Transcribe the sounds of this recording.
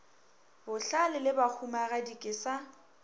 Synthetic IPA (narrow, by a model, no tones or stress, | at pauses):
bʊɬalɪlɪbak͡xʰumaɣadikʼɪsa